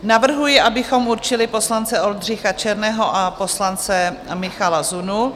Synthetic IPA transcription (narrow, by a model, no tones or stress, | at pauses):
navr̩ɦujɪʔabɪxo̞muɾt͡ʃɪlɪpo̞slant͡sɛo̞ldr̝ɪxat͡ʃɛɾnɛːɦo̞ʔapo̞slant͡sɛmɪxalazunu